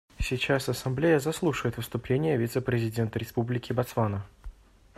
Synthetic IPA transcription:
sʲɪt͡ɕasɐsɐmblʲejəzɐslˠuʂɨvəjɪt̪vɨst̪ʊplʲenʲɪjəvʲit̪səpɾʲɪzʲɪdʲe̞nt̪əɾʲɪspublʲɪkʲɪbɐt̪svanə

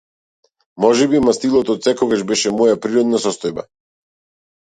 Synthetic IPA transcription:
mɔʒɛbimast̪ilˠɔt̪ɔt̪sɛkɔɡaʒbɛʃɛmɔjapɾiɾɔd̪nasɔst̪ɔjba̰

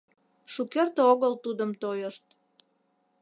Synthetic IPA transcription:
ʃukert̪oɣəlt̪ud̪əmt̪ojəʃt̪̚

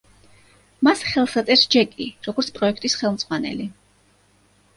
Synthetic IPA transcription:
masχɛlˠsat̪sʼɛɾsd͡ʒɛkʼḭɾɔɡɔɾt̪sʰpʼɾɔɛkʰt̪ʼisχɛlˠmd̪zʁwanɛ̰li

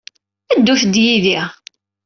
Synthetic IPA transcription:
æd̪ːuθd̪jiðiʁ

